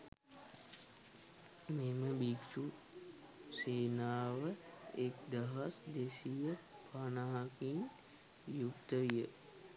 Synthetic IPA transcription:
meməbikt͡ʃu | seːnaːʋəekd̪əɦəsd̪esijə | panaɦɐkin | jukt̪əʋijə

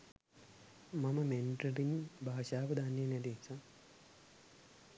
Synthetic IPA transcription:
maməmenʈrəɾinbʱaːʃaːʋəd̪aːnːeːnɛd̪isa

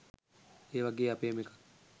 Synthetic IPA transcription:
eːʋaɡeːapeːmekḁ

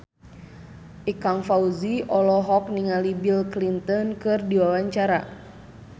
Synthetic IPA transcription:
ʔikaŋfauziʔɔlɔɦɔk̚niŋalibilklint̪ɔnkɨrdiwawaɲt͡ʃaɾa̰

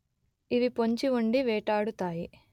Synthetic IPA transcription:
iʋipo̞ɲt͡ʃiuɳɖiʋɛːʈaːɽut̪aːji

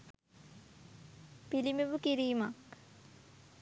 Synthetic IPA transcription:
pilimeʋukiɾiːmak

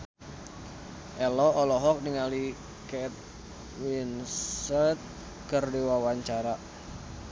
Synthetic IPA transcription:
ʔɛlɔɔlɔɦɔk̚niŋali | kɛt̪̚ | winsɛt̪̚ | kərdiwawaɲt͡ʃaɾa

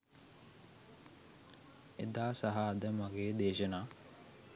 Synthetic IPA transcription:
ed̪aːsaɦaːd̪əmaɡeːd̪eːʃənaː

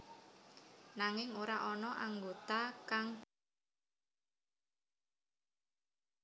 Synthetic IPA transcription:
naŋɪŋoɾaʔɔnɔʔaŋɡot̪akaŋ

